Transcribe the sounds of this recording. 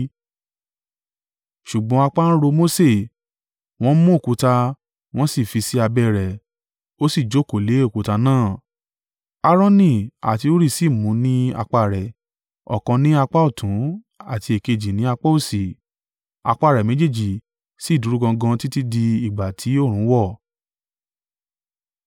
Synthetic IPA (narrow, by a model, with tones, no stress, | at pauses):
ʃu˨ɡ͡bɔ̃˨˦a˧k͡pa˦ñ̩˦ɾo˧mo˦se˦˨ | w̃ɔ̃˦mũ˦o˦˨ku˨˧˦ta˧ | w̃ɔ̃˦si˦˨fi˧si˦a˧bɛ˦ɾɛ˨ | o˦si˦˨d͡ʒo˨˦˨ko˨le˨˦o˦˨ku˨˦ta˧nãː˦˨ | a˦ɾɔ̃˦nĩ˦˨a̰˨ti˧o˦ɾi˦˨si˦˨mũ˨˦nĩ˦a̰˧k͡pa˧˨ɾɛ˨ | ɔ̰˨kã˧nĩ˦a˧k͡pa˦u˦˨tũ˨˦ | a˨ti˧e˨ke˧d͡ʒi˨nĩ˨˦a˧k͡pɔ˦u˦˨si˨ | a̰˧k͡pa˦˨ɾɛ˨mẽ˨˦d͡ʒe˦˨d͡ʒi˨ | si˦˨du˨˦ɾu˦ɡã˧ɡã˧ti˦ti˦di˧i˨ɡ͡ba˨tʰi˨˦o˦˨ɾ̃ũ˨˦wɔ˦˨